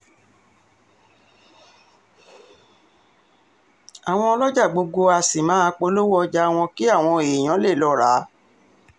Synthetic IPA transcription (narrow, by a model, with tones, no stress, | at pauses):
a˨w̃ɔ̃˧ɔ˧lɔ˦d͡ʒa˦˨ɡ͡bo˧ɡo˧a˧si˨mãː˨˦˧k͡po˧˦lo˦wɔ˦˧d͡ʒa˧˦˧w̃ɔ̃˧ki˦a˦˨w̃ɔ̃˧e˨j̃ã˨˦le˦˨lɔ˨˦˨ɾa˨˦